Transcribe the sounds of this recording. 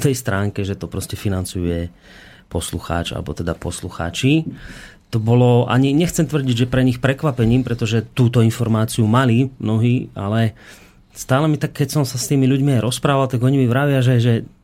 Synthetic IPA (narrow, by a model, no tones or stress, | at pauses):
t̪ɛjst̪ɾaːŋkɛʒɛt̪ɔpɾɔscɛfinant͡sujṵjɛ | pɔsluxa̰ːt͡ʃa̰lɛ̰bɔ̰t̪ɛd̪a̰pɔ̰sluxa̰ːt͡ʃi | t̪ɔbɔlɔʔa̰ɲiɲɛxt͡sɛmt̪ʋr̩ɟiɟʒɛpɾɛɲixpɾɛkʋapɛɲiːmpɾɛt̪ɔʒɛt̪uːt̪ɔinfɔɾmaːt͡siumalimnɔɦiːalɛ | st̪aːlɛmit̪akʰːɛcsɔmsast̪iːmiʎuɟmiajɾɔspɾaːʋalt̪aɡɔɲimiʋɾaʋɪaʒɛʒɛ